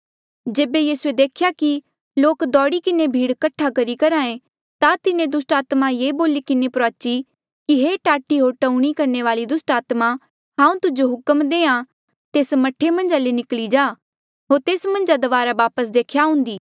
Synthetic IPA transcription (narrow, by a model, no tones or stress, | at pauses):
d͡ʒeːbejiːsued̪eːkʰjaki | loːkd̪ɔːɽikɪnebʱiːɽkɐʈʰakɐɾikɐɾãːẽ | t̪at̪ɪnẽd̪ʊsʈaːt̪majeːboːlikɪnepɾaːt͡ʃi | kiɦeːʈaːʈiɦoːɾʈɐ̃uɽ̃ikɐɾneʋaːlid̪ʊsʈaːt̪ma | ɦãːũt̪ʊd͡ʒoɦʊkəmd̪eːã | t̪eːsmɐʈʰemɐ̃nd͡ʒalenɪklid͡ʒaː | ɦoːɾt̪eːsmɐ̃nd͡ʒad̪ɐʋaːɾaʋaːpəsd̪eːkʰjaɦʊ̃nd̪iː